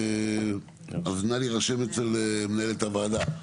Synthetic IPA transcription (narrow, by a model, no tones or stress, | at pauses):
aznaliʁaʃemet͡selemnaelet̪avaːd̪a